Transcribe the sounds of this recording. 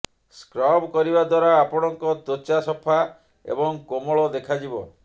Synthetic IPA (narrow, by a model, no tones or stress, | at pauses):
skɾɔbkɔɾibad̪waɾaːpɔɽ̃ɔŋkɔt̪ot͡ʃasɔpʰa | ḛbɔŋkomɔɭɔd̪ekʰad͡ʒibɔ